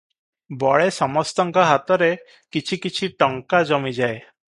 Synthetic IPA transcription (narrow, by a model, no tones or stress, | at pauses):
bɔɭesɔmɔst̪ɔŋkɔɦat̪ɔɾe | kit͡ʃʰikit͡ʃʰiʈɔŋkad͡ʒɔmid͡ʒae